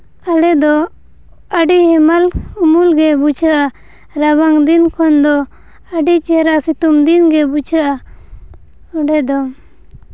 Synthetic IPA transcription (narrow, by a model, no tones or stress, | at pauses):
alɛd̪ɔ | əɖiɦɛmalumulɡɛbut͡ʃʰaʔa | ɾaβaŋd̪inkʰɔnd̪ɔ | əɖit͡ʃɛɾaʔsit̪umd̪inɡɛbut͡ʃʰaʔa | ɔɖɛd̪ɔ